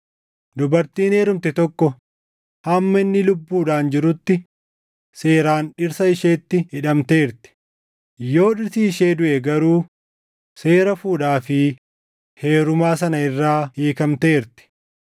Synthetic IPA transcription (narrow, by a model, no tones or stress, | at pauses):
d̪ʊbɐɾt̪iːne̞ːɾʊmt̪ɛt̪ɔkːɔ | hɐmːɐɪnːɪlʊbːuːᶑaːnd͡ʒɪɾʊt̪ːɪ | se̞ːɾaːnᶑɪɾsɐɪʃeːt̪ːɪhɪᶑɐmt̪e̞ːɾt̪ɪ̥ | jo̞ːᶑɪɾsiːʃeːd̪ʊʔɛɡɐɾuː | se̞ːɾɐfuːᶑaːfɪ | he̞ːɾʊmaːsɐnɐɪrːaːheːkɐmt̪e̞ːɾt̪ɪ̥